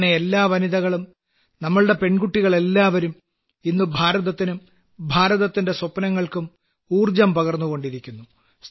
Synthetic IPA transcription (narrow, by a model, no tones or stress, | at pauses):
neelːaːʋɐniðɐɣɐɭum | nɐmːɐɭɨɽe̞pe̞ɳɡuʈːiɣɐɭe̞lːaːʋɐɾum | inːubʱaːɾɐðɐt̪ːinum | bʱaːɾɐðɐt̪ːinde̞sopɐnɐŋːɐɭkum | uːrd͡ʑɐmpɐɣɐrnːuɣo̞ɳɖiɾikʲːunːu | s